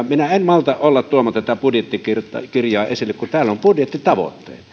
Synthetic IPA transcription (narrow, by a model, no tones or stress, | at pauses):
minæemmɑlt̪ɑʔʔolːɑt̪t̪uomot̪ɑt̪æpudjet̪ːikirt̪ɑkirjˑɑːesilːekkunt̪æːlːompudjet̪ːit̪ɑʋo̰t̪ːḛˑːt̪ɑ̥